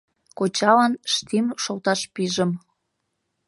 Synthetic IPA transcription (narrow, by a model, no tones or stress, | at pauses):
kot͡ɕɑlɑnʃt̪imʃolt̪ɑʃpiʒəm